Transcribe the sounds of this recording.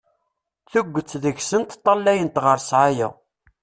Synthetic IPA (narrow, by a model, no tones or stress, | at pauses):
θuɡʷːət͡sːðəçsənt̪t̪ˤːɑlːæjənt̪ʁəɾsʕajæ̰